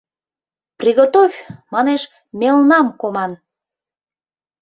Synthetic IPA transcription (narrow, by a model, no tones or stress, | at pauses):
prʲiɣot̪ovʲmɑneʃ | melnɑmkomɑn